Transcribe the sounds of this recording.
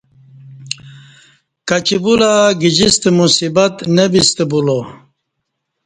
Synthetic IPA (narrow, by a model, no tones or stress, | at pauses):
kat͡ɕibulaɡid͡ʑist̪emusibat̪nebist̪ebulo